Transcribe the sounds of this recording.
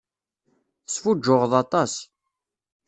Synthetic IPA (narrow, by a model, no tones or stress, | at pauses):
θəsfud͡ʒːʊʁðˤɑt̪ˤɑs